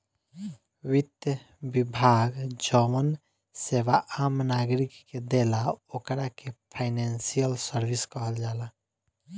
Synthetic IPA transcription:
wid̪jə | bibʱaɡd͡ʒəmən | seʋaʔamnaɡɾikːed̪elaokɾakepʰaɪnansijəlsəɾʋiskəɦəld͡ʒaːla

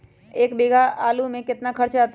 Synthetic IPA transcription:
eːkbeːɡʱaaːlumẽkɪt̪nakʰɐɾt͡ʃat̪

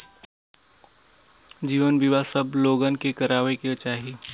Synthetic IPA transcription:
d͡ʒiːʋənbiʋasɐbloːɡənkekɐɾaːʋekiɐt͡ʃaːɦi

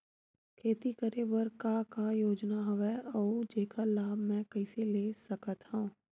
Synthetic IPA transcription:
kʰeːt̪ikəɾebəɾkakajoːd͡ʒnaɦɐʋɛʔɔːd͡ʒeːkʰalaːbʱmɛ̃ːkɛɪseleːsɐkət̪hũː

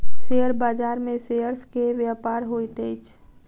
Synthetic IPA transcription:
sejəɾbaːd͡ʒaːɾmẽsejəɾskeʋjapaːɾɦoit̪et͡ʃʰ

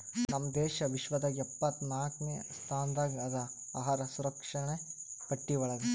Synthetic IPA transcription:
nɐmːɐd̪ɛːʃɐʋiʃʋɐd̪ɐɛpːɐt̪naːknest̪ʰaːnd̪aːɡɐd̪ɐaːɦaːɾɐsuɾɐkʂɐɳekɐʈːiʋɐɭɐd̪u

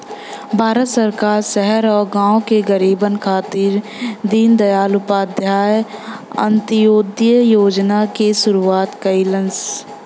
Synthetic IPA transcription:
bʱaːɾət̪səɾkaːɾsɛɦɛɾɔːɾɡãːokeɡəɾiːbənkʰaːt̪ɪɾ | d̪iːnd̪ɐjaːlʊpaːd̪ʱjaːjə̰̃nt̪ɪjoːd̪ijəjoːd͡ʒnakeʃʊɾuaːt̪kəɪlə̃ns

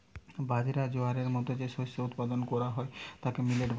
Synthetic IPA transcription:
bad͡ʑiɾad͡ʑoaɾeɾmɔt̪od͡ʑeʃoʃout̪pad̪onkɔɾaɦɔet̪akemileʈb

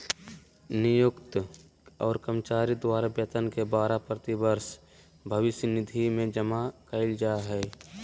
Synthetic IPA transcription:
nɪjʊkt̪ | ɔːɾkəmt͡ʃaːɾid̪waːɾabjət̪ənkebaːɾapɾət̪ɪbəɾs | bʱəʋɪsjənɪd̪ʱimẽd͡ʒəmakəɪld͡ʒaːɦɛː

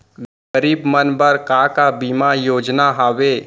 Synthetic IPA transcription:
əɾiːbmənbəɾkaːkabiːmajoːd͡ʒnaɦaːʋeː

